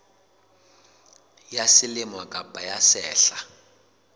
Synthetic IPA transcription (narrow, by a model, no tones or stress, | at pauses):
jasilimwakʼapajasɛːɬa